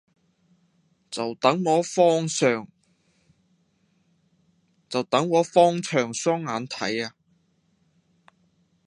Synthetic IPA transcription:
t͡sɐ˨wt̪ɐ˨˥ŋːɔː˨˥fɔː˥ŋsœː˨ŋ | t͡sɐ˨wt̪ɐ˨˥ŋːɔː˨˥fɔː˥ŋt͡ʃʰœː˨˩ŋsɔː˥ŋːaː˨˥nt̪ʰɐ̰˨˥jaː˧

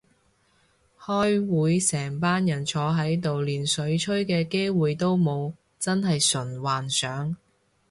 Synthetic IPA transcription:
hɔː˥jwuː˨˧˥jsɛː˨˩ŋpaː˥njɐ˨˩nt͡ʃʰɔː˨˧ɦɐ˨˥jt̪o˨wliː˨˩nsɵ˨˥ɥt͡ʃʰɵ˥ɥkɛː˧ke˥jwuː˨jt̪o˥wmo˨˧w | t͡sɐ˥nɦɐ˨jsɵ˨˩nwaː˨nsœː˨˥ŋ

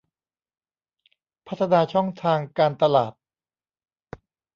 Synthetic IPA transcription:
pʰa˦˥t̪ʰːa˧naː˧t͡ɕʰɔ˥˩ŋt̪ʰaː˧ŋkaː˧nt̪a˧la̰ː˨˩t̪̚

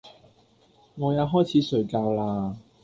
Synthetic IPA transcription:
ŋɔː˨˧jaː˨˧wɦɔː˥jt͡sʰiː˨˧˥sɵ˨˧ɥkaː˧wlaː˧

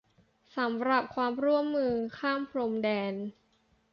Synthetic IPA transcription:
sa˩˦mɾa˨˩p̚kʰwaː˧mɾu˥˩əmːɯː˧kʰaː˥˩mpʰɾo˧mdɛː˧n

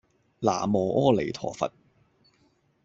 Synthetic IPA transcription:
la̰ː˨˩mɔː˨˩ʔɔː˥le˨˩jt̪ʰɔ̰ː˨˩fɐ̰˨t̚

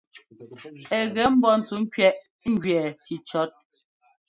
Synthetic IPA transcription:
ɛ˨ɣɛ˨˦m̩˦bɔ˦n̩˨tu˨˦ŋ̩˦kɥɛ˦ʔ | ŋ̩˦ɡɥɛ˨ti˨t͡ʃɔ˦t̚

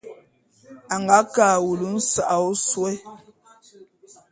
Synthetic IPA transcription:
a˨ŋɡa˨˦kaː˨wu˨lu˦n̩˦sa˨ʔa˨ɔ˦swɛ˦

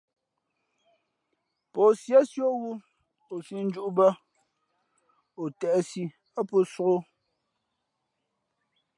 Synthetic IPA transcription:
pɔ˨sja˦sjo˦ɣu˦ | o˨si˦n̩˦d͡ʒu˦ʔu˦bə˦ | o˨tɛ˨ʔsi˦ | a˦po˦so˨ɣo˦

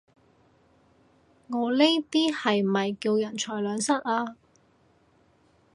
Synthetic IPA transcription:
ŋɔː˨˧le˥jt̪iː˥hɐ˨jmɐ˨jki˧wjɐ˨˩nt͡ʃʰɔː˨˩jlœː˨˧ŋsɐ˥t̚aː˧

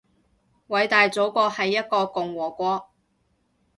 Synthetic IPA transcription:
wɐ˨˥jt̪aː˨jt͡so˨˥wkʷɔː˧hɐ˨jːɐ˥t̚kɔː˧kʊ˨ŋwɔː˨˩kʷɔː˧

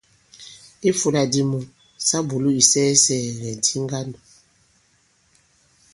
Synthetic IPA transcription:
i˦fu˨la˨di˨mu˨ | sa˦bu˨lu˦i˨sɛ˦sɛ˨ŋɛ˨n˨tʰi˦ŋɡa˦nɔ˨

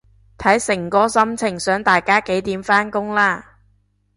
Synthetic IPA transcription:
t̪ʰɐ˨˥jsɪ˨˩ŋkɔː˥sɐ˥mt͡sʰɪ˨˩ŋsœː˨˥ŋt̪aː˨jkaː˥ke˨˥jt̪iː˨˥mfaː˥nkʊ˥ŋlaː˥˩

